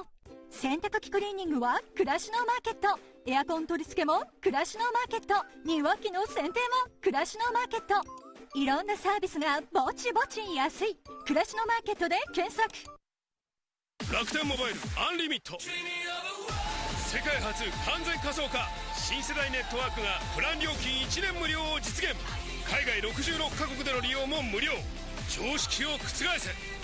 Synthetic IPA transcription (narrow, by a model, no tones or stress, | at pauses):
sẽ̞nt̪akɯ̟kʲi̥kɯ̟ɾʲiɲ̟ːĩŋɡɯ̟βakɯ̟ɾaɕino̞maːke̞t̪ːo̞ | e̞jakõ̞nt̪o̞ɾʲisɨ̥ke̞mokɯ̟ɾaɕino̞maːke̞t̪ːoɲ̟ĩβakʲːinosẽ̞nt̪e̞ːmo̞kɯ̟ɾaɕino̞maːke̞t̪ːo̞iɾõ̞nːasaːbʲisɨɡamo̞t͡ɕibo̞t͡ɕijasɨikɯ̟ɾaɕino̞maːke̞t̪ːo̞d̪e̞kẽ̞ɰ̃sakɯ̥ | ɾakɯ̟̥t̪ẽmːo̞baiɾɯ̟ãnɾʲimʲit̪ʰːo̞ | se̞kaiɦat͡sɨkʰãnd͡zẽ̞ŋkaso̞ːkaɕĩɰ̃se̞d̪aine̞t̪ːo̞βaːkɯ̟ŋapɯ̟ɾãnɾʲjo̞ːkʲĩɰ̃it͡ɕinẽ̞mːɯ̟ɾʲjo̞ːd͡ʑit͡sɨɡẽ̞m | kʰaiɡaiɾo̞kɯ̟ʑɨːɾo̞kːako̞k̬ɯ̟d̪e̞no̞ɾʲijo̞ːmo̞mɯ̟ɾʲo̞ː | d͡ʑo̞ːɕi̥kʲio̞kɯ̟̥t͡sɨɡaise̞